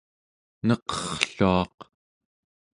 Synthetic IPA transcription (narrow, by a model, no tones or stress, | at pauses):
nʌqʌ̥χɬuɑq